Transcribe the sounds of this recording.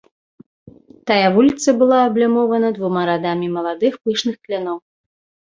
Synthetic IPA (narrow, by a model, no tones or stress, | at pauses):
t̪ajavulʲit̪sɐbɨlˠaɐblʲamɔvɐnɐd̪vumaɾad̪amʲimɐlˠad̪ɨxpɨʂnɨxklʲanɔw